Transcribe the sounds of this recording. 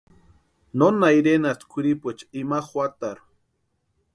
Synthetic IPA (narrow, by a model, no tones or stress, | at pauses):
nonaiɾenast̪kʰuɾipet͡ʃimaχwat̪aɾ